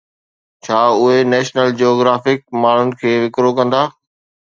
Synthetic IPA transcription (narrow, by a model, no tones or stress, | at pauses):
t͡ɕʰaːʊɦenɛːʃnəld͡ʑioːɡɾaːfɪk̚maːɳ̤ʊnɪ̆kʰeːʋɪkɾokɐ̃nd̪aː